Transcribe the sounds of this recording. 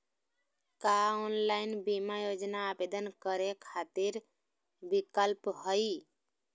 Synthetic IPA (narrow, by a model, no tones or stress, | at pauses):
kaonlaɪinbimajod͡ʒnaːbed̪ənkəɾekʰat̪iɾ | bikəlpɦəi